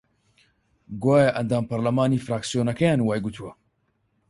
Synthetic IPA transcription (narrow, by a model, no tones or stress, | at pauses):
ɡwaːjɐʔɐnd̪aːmpɐɾlɐmaːniːfɾaːksijoːnɐkɐjaːnwaːjɡut̪ʰuwɐ